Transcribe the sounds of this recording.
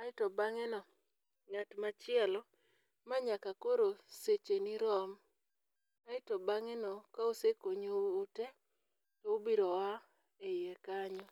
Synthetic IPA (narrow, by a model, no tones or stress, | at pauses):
aɪtɔbaŋɛnɔ | ŋatmat͡ʃɪɛlɔ | maɲakakoɾoset͡ʃeniɾɔm | aɪtɔbaŋɛnɔkaosekoɲoːte | tɔobiɾɔwa | ejɛkaɲɔ